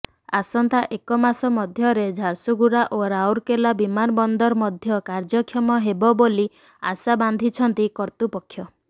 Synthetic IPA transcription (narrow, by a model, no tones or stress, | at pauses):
asɔnt̪aʔekɔmasɔmɔd̪ʱjɔɾed͡ʒʱaɾsuɡuɾaʔoɾawɾkelabimanɔbɔnd̪ɔɾmɔd̪ʱjɔkaɾd͡ʒɔkʰjɔmɔɦebɔboli | a̰saband̪ʱit͡ʃʰɔnt̪ikɔɾt̪upɔkʰːjɔ